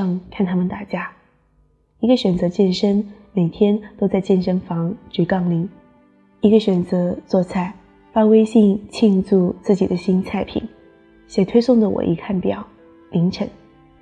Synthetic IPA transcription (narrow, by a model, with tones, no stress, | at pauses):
ɑ˥˧ŋkʰa˥˩nt̪ʰa˥mə˨nt̪a˥˩t͡ɕja˥ | i˧˥ɡə˧ɕɥɛ˨˩nt͡sɤ˧˥t͡ɕjɛ˥˩nʂə˥n | me˨˩ɪt̪ʰjɛ˥nt̪o˥ʊt͡sa˥˧ɪt͡ɕjɛ˥˩nʂə˥nfɑ˧˥ŋt͡ɕy˧˩kɑ˥˩ŋli˧˥ŋ | i˧˥ɡə˧ɕɥɛ˨˩nt͡sɤ˧˥t͡swɔ˥˧t͡sʰa˥˩ɪ | fa˥we˥ɪɕi˥˧ŋt͡ɕʰi˥˧nt͡su˥˧t͡sɹ̩˥˩t͡ɕi˨˩d̪ə˦ɕi˥nt͡sʰa˥˩ɪpʰḭ˨˩˦n | ɕjɛ˨˩t̪ʰwe˥ɪsʊ˥˩ŋd̪ə˩wɔ̰˨˩ʔḭ˧˥kʰa˥˩npjɑ̰˨˩˦ʊ | li˧˥ŋʈ͡ʂʰə̰˧˥˦ŋ